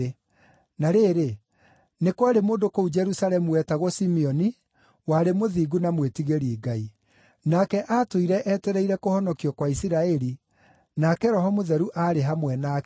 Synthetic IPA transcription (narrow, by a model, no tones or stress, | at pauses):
naɾeːɾe | nekwaɾemoːdokoud͡ʒɛɾusalɛmuwɛtaɣɔsimiɔni | waɾemoðiːɡunamwetiɣeɾiiɡai | nakɛʔatoiɾɛʔɛtɛɾɛiɾɛkohɔnɔkiɔkwaisiɾaɛɾi | nakɛɾɔɦɔmoðɛɾuʔaɾeɦamwɛna